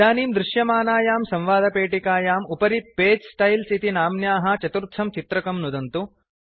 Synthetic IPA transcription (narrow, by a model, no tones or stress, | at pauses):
aːniːmd̪ɾɪʃjɐmaːnaːjaːmsɐ̃mʋaːd̪ʱɐpeːʈikaːjaːmupɐɾipeːd͡ʒsʈɐjlsit̪inaːmnjaːɦɐt͡ʃɐt̪uɾt̪ʰːɐmt͡ʃit̪ɾɐkɐmnud̪ɐnt̪u